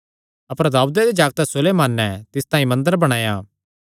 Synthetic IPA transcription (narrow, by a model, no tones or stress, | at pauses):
ɐpəɾd̪aːud̪ed̪ed͡ʒaːɡt̪ɛsʊlemaːnːɛt̪ɪst̪aːĩmɐ̃nd̪əɾbɐɽ̃aːjaː